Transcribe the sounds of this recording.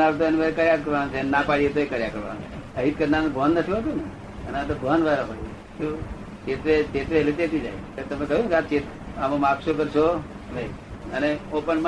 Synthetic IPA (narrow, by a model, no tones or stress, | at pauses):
aʋet̪oenimaɾekəɾjakəɾʋanut͡ʃʰennapaɽijet̪oekəɾjakəɾʋa̰n̰t͡ʃʰe | əɦit̪kəɾnanbʱoɦənːət̪ʰiɦot̪ũne | əneat̪obʱoɦənʋaɾapaɽie | t̪o | t͡ʃet̪ʋet͡ʃet̪ʋelet̪et̪id͡ʒa̰j | et̪əmekəɦunkeat͡ʃet̪ | amõmakʃokəɾʃʰonəiəneopəɳm